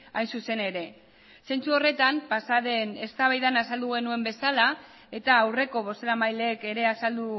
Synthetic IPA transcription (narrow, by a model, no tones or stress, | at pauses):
ajnsuse̞ne̞ɾe̞ | se̞nt͡suo̞re̞t̪ampasaðe̞ne̞st̪aβajðanasald̪uɣ̞e̞nue̞mbe̞sala | e̞t̪aːwre̞ko̞β̞o̞se̞ɾamajle̞ːke̞ɾe̞asald̪u